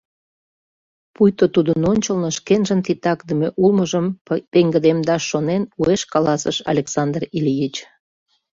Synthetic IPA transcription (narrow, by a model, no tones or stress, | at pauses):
pujt̪ot̪ud̪ənonʲt͡ɕəlnoʃkenʒənt̪it̪ɑkd̪əmeʔulməʒəmpeŋɡəd̪emd̪ɑʃːonenueʃkɑlɑsə̰ʃɑ̰lʲeksɑnd̪riljit͡ɕ